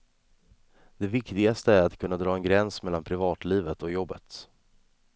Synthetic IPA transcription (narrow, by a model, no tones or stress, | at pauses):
d̪̥ɛvɪkt̪ɪɡast̪əæɾat̪kʰɵnːad̪ɾɑːɛnɡɾɛnsmɛlːanpʰɾɪvɑːt̪liːvət̪ɔjɔbːət̪